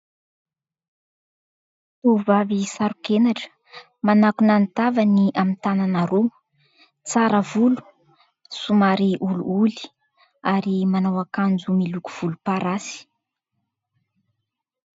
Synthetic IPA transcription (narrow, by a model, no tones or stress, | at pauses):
t̪uvavisaɾukenaʈ͡ʂə̥ | manakunant̪avaniʔamint̪ananaɾu | t͡saɾəvulu̥ | sumaɾiʔulṵuli̥ | aɾimanawakand͡zumiluku̥v̥ulupaɾasi̥